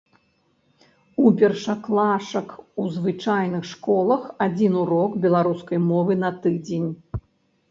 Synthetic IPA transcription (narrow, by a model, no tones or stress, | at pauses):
upʲɛrʂɐklˠaʂɐkuzvɨt͡ʂajnɨxʂkɔlˠɐxad͡zʲinuɾɔkbʲɛlˠaɾuskɐjmɔvɨnɐt̪ɨd͡zʲenʲ